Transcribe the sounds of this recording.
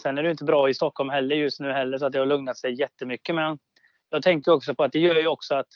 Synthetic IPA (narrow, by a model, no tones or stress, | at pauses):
sɛnæɖʏɪnt̪̬əbɾɑːɪst̪ɔkʰːɔlmɦɛlːəɾjɵst̪nʉ̟ːɦɛlːəʂ̬ɔat̪̚d̪ɛhaɭɵŋnat̪sɛjjɛt̪ːəmʏkːəmɛn | jɑɡt̪ʰɛŋkt̪əjɔksɔpʰɔat̪̚d̪ɛjœːjɵɔksɔat̪